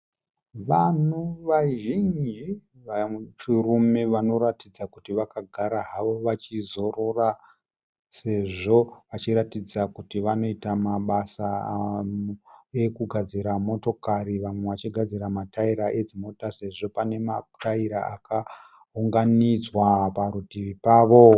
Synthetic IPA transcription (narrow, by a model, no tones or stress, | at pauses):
ʋan̤uʋaʒind͡ʒi | ʋat͡ʃurume̞ʋano̞ɾatid͡zakutiʋakaɡʱaɾaɦaʋo̞ʋat͡ʃizo̞ro̞ra | se̞ʐo̞ʋat͡ʃiɾatid͡zakutiʋano̞itamaɓasa | ekuɡʱad͡ziɾamo̞to̞kaɾiʋamwe̞ʋat͡ʃiɡʱad͡ziɾamataiɾaʔe̞d͡zimo̞tase̞ʐo̞pane̞mataiɾaaka | ɦuŋɡanid͡zwapaɾutiʋipaːʋo̞